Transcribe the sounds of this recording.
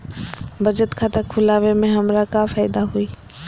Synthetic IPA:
bəd͡ʒət̪kʰat̪akʰʊlaːʋemẽɦəmɾakapʰaːɪd̪aɦui

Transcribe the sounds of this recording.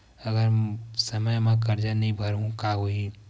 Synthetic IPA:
ɐɡəɾsɐməjmɛ̃kɐɾd͡ʒanɐĩbʱɐɾũkaɦoi

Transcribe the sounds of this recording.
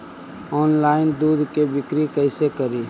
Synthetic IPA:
ɔːnlaːɪnd̪uːd̪ʱkebɪkɾikəɪsekɐɾiː

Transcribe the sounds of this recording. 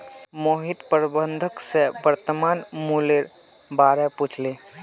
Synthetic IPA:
moːɦɪt̪pəɾbənd̪ʱəksebəɾt̪əmaːnmuleɾ | baːɾɛput͡ʃʰle

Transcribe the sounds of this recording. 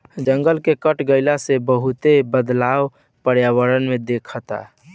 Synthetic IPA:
d͡ʒəŋɡəlkekəʈɡəɪlasebəɦut̪ebəd̪law | pəɾjawəɾənmed̪ekʰət̪a̰

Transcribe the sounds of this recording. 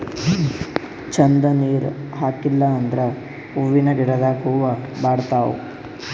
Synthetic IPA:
t͡ʃɐnd̪ɐniːɾɦaːkilːɐːnd̪ɾɐ | uʋinɐɡiɽɐd̪aːkuːʋɐbaːɽt̪aːṵ

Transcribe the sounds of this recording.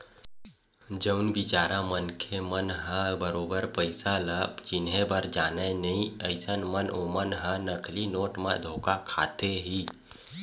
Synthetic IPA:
d͡ʒəʊnbɪt͡ʃaːɾamənkʰemənɦə̃bəɾoːbəɾpəɪsaləbt͡ʃɪnɦẽbəɾd͡ʒaːnenɐɦĩəɪsənmənʔoːmənɦə̃nəkʰlinoːʈmã̰d̪ʱoːkakʰa̰ːt̪eɦiː

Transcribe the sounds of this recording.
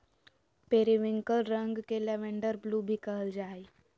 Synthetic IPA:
peːɾiʋɪ̃ŋkəlɾə̃ŋɡkeleʋẽɳɖəɾbluːbʱikəɦəld͡ʒaːi

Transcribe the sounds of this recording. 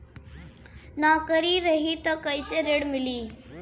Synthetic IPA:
naːkəɾiɾɐɦit̪ɐkɐɪseɾeɽmɪliː

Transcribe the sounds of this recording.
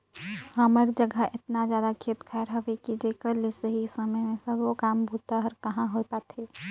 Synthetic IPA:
ɦəməɾd͡ʒəɡʱəʔɪt̪nad͡ʒjaːd̪akʰeːt̪kʰɛːɾɦɐʋekid͡ʒeːkəɾlesəɦisəməjmẽsɐbokaːmbʱut̪aɦəɾkɐɦãɦoepaːt̪eː

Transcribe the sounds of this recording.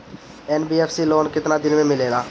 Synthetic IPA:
ɛːnbiːeːpʰsiːloːnkɪt̪naːd̪ɪnmẽːmɪleːd̪aː

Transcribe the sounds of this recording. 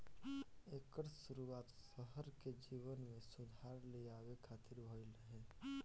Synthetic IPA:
eːkəɾsʊɾuaːt̪səɦəɾked͡ʒiːwənmẽsʊd̪ʱaːɾleaːʋekʰaːt̪ɪɾbʱoiləɦe

